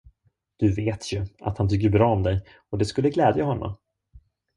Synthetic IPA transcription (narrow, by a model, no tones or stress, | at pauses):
d̪̥ɵveːt̪ʰjɵʔa̰t̪hant̪ʰʏk̬ːəbɾɑːɔmd̪ɛj | ɔd̪ɛskɵlːəɡlɛːd̪jaɦɔnːɔ̰m